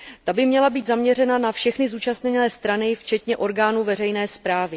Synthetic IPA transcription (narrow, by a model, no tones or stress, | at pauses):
t̪abɪmɲɛlabiːt̪zamɲɛr̝ɛnanafʃɛxnɪzuːt͡ʃast̪ɲɛnɛːst̪ɾanɪft͡ʃɛt̪ɲɛʔo̞ɾɡaːnuːvɛrɛjnɛːspɾaːvɪ